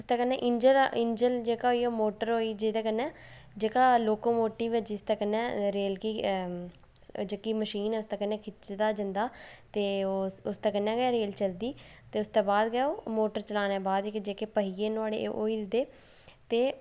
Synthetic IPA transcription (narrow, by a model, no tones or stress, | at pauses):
ʊst̪aːkənːɛ̃ːʔɪɲd͡ʒəlɪɲd͡ʒəld͡ʒeːkaːɦoːiːoːmoːʈəɾɦoːiːd͡ʒeːt̪ɛːkənːɛ̃ː | d͡ʒeːkaːloːkoːmoːʈiːʋɪt͡ʃɪst̪ɛːkənːɛːɾeːlkiː | d͡ʒeːkiːməʃiːnɛːʊst̪aːkənːɛːkʰɪt͡ʃd̪aːd͡ʒənd̪aːt̪eːoʊst̪aːkənːɛːɡaːɾeːlt͡ʃəld̪iːt̪eːʊst̪eːbaːd̪ɡɛːoːmoːʈəɾt͡ʃəlaːnɛːbaːd̪kd͡ʒeːkeːpəɦiːeːnaːɽḛːʔo̰ːiːd̪ɪd̪eː | t̪eː